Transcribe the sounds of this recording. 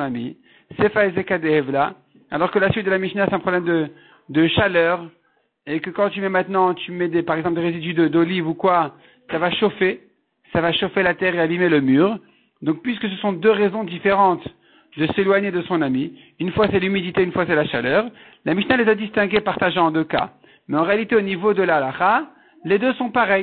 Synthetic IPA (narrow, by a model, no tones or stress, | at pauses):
namḭ | sefaezekad̪eɛvla | alɔʁkəlasɥit̪̚d̪əlamiʃinasɛt̪ɛ̃pχɔblɛmd̪ə | d̪əʃalœːʁ | ekəkɑ̃t̪̬ymɛmɛ̃t̪nɑ̃t̪ymɛd̪epaʁɛɡzɑ̃pld̪eʁezid̪yd̪əd̪olivukwa | savaʃofe | savaʃofelat̪ɛʁeabimeləmyːʁ | d̪ɔ̃k̚pɥiskəs̬əsɔ̃d̪øʁɛzɔ̃d̪ifeʁɑ̃t̪ | d̪əselwaɲed̪əsɔ̃nami | ynfwasɛlymid̪it̪eynfwasɛlaʃalœːʁ | lamiʃinalezad̪ist̪ɛ̃ɡʲepaʁt̪aʒ̃ɑ̃d̪øka̰ | mɛɑ̃ʁealit̪eonivod̪əlalaχa | led̪øsɔ̃paʁɛj